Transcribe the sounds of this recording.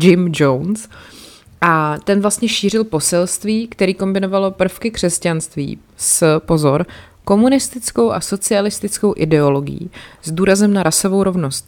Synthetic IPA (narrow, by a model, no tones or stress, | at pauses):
d͡ʒɪmd͡ʒowns | ʔat̪ɛnvlast̪ɲɛʃiːr̝ɪlpo̞sɛlst̪viːkt̪ɛɾiːko̞mbɪno̞valopr̩fkɪkr̝̥ɛscanst̪vḭː | spo̞zo̞ɾ | ko̞munɪst̪ɪt͡sko̞wʔa̰so̞t͡sɪalɪst̪ɪt͡sko̞wʔɪdɛo̞lo̞ɡɪ̰jḭzduːɾazɛmnaɾaso̞vo̞wɾo̞vno̞st̪̚